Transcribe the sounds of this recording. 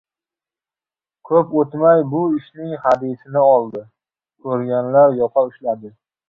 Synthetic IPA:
kʰɵpot̪majbʊɪʃnɪŋhad̪isɪnɪɒlˠd̪ɪ | kʰɵɾɡʲanlaɾjɒqʰɑʊʃlad̪ɪ

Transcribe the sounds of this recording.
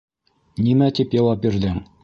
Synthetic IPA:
nimæt̪ipjɑw̪ˠɑp̚biɾd̪ɘŋ

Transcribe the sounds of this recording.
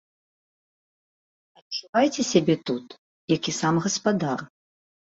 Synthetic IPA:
ɐt͡ʂːuvajt͡sʲɛsʲabʲɛt̪ut̪ | jakʲisamɣɐspad̪ar

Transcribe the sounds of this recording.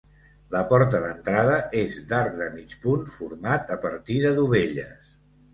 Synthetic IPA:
ləpɔɾt̪əðənt̪ɾað̞əʔezd̪aɾk̚ðəmit͡ʃpunfuɾmat̪əpəɾt̪iðəðuβeʎə̰s

